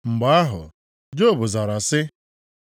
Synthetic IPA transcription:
ŋ͡m̩˨ɡ͡ba˦a˦ɦʊ̰˨ | d͡ʒo˦˨bʊ˨za˨ɾa˨sɪ˦

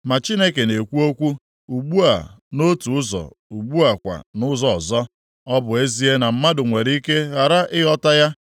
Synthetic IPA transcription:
ma˨t͡ʃi˦ne˦ke˨ne˨kʷu˦o˦kʷu˦ | u˨ɡ͡bu˦a̰˨ | no˦tu˨ʊ˦zɔ̰˨ | u˨ɡ͡bu˦a˨kʷa̰˨nʊ˦zɔ˨ɔ˨zɔ˦ | ɔ˦bʊ˨e˦zi˦e˦na˨m̩˦ma˦dʊ˨ŋʷe˨ɾi˦ke˦ɣa˨ɾa˦ʔɪ˦ɦɔ˦ta˦ja˦

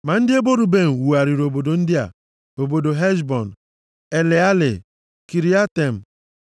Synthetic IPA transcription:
ma˨n̩˦dɪ˦e˦bo˦ɾu˨be˦˨m̩˨wu˨a˨ɾi˨ɾo˨bo˨do˨n̩˦dɪ˦a̰˨ | o˨bo˨do˨ɦɛ˦ʃbɔ˨n̩˨ | e˨le˨a˦lɪ̰˨ | ki˨ɾi˦a˦te˨m̩˨

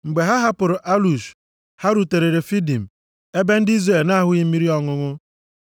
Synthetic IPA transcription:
ŋ͡m̩˨ɡ͡be˨ɦa˦ɦa˦pʊ˨ɾʊ˨ʔa˦lu˨ʃ | ha˦ɾu˨te˨ɾe˨ɾe˨fi˦di˨m̩˨ | e˦be˦n̩˦di˦zre˨lna˦a˦˨ɦʊ˦ɣi˦mi˦ɾi˦ɔ˦ŋʊ˦ŋʊ˦

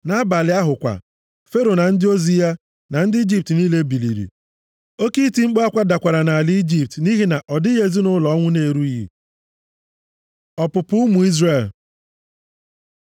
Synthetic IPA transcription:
na˦ba˨lɪ˨˦a˦ɦʊ˨kʷa̰˨ | fe˦ɾo˨na˨n̩˦dɪ˦o˦zi˦a˦ | na˨n̩˦dɪ˦i˦d͡ʒi˦p̚tniː˦le˦bi˨lḭ˨ɾḭ˨ | o˦ki˦ti˦ŋ͡m̩˦k͡pa˦kʷa˦da˨kʷa˨ɾa˨na˨a˨lɪ˦i˦d͡ʒi˦p̚tni˦ɦi˦na˨ʔɔ˨dɪ˦je˨zi˦nʊ˦lɔ˨˦ŋʷʊ˦ne˨ɾu˦i˦ɦḭ˨ | ɔ˨pʊ˨pʊ˦ʊ˦mu˨i˦zre˦˨l

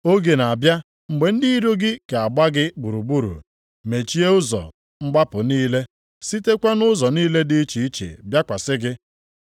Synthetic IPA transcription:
o˦ɡe˨na˨bja˦ | ŋ͡m̩˨ɡ͡be˨n̩˦di˦i˦ɾo˦ɡɪ˦ke˨a˨ɡ͡ba˦ɡɪ˦ɡ͡bu˨ɾu˨ɡ͡bu˦ɾṵ˨ | me˨t͡ʃi˦e˦ʊ˦zɔ̰˨ | ŋ͡m̩˦ɡ͡ba˦pʊ˨niː˦le˦ | si˦te˦kʷa˦nʊ˦zɔ˨niː˦le˦dɪ˦t͡ʃi˨i˦t͡ʃḛ˨bja˦kʷa˨sɪ˦ɡɪ˦

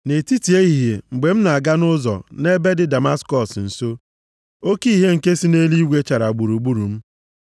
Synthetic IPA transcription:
ne˨ti˦ti˨e˦i˨ɦe˨ŋ͡m̩˨ɡ͡be˨m̩˦na˨a˨ɡa˦nʊ˦zɔ̰˨ne˦be˦dɪ˦da˨ma˦skɔ˦˨sn̩˨so˦ | o˦ki˦ɦe˦ŋ̩˨ke˦si˦ne˦li˦ɡʷe˦t͡ʃa˨ɾa˨ɡ͡bu˨ɾu˨ɡ͡bu˦ɾu˨m̩˦

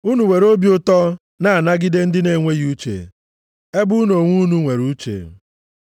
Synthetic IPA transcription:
u˦nu˨we˨ɾo˦bi˦ʊ˦tɔ˦ | na˦a˨na˦ɡɪ˦de˦n̩˦dɪ˦ne˨ŋʷe˦ɣi˨˦u˦t͡ʃḛ˨ | e˦bʊ˦u˦no˨ŋʷu˦nu˦ŋʷe˨ɾu˦t͡ʃḛ˨

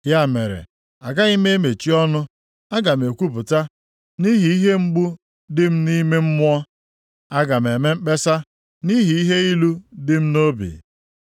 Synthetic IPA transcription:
ja˦˨me˨ɾḛ˨ | a˨ɡa˦i˦me˦e˦me˨t͡ʃi˦ɔ˦nʊ˦ | a˦ɡa˨m˨e˨kʷu˦pʊ˨ta˦ | ni˦ɦi˨i˦ɦe˦ŋ͡m̩˦ɡ͡bu˦ | dɪ˦m̩˦ni˦me˦m̩˦mʊ˦ɔ˦ | a˦ɡa˨m̩˨e˨me˦m̩˦k͡pe˦sa˦ | ni˦ɦi˨i˦ɦe˦i˦lu˦dɪ˦m̩˦no˦bḭ˨

